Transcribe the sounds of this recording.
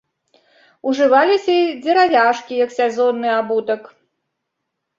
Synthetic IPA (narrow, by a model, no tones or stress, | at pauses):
uʐɨvalʲisʲɐid͡zʲɛɾavʲaʂkʲijɐksʲɛzɔnːɨabut̪ɐk